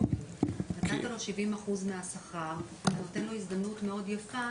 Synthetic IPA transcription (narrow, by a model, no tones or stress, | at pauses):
natat̪alo̞ʃivimaχuzmeasaχa | vnot̪e̞nlo̞isdamnutme̞o̞djafa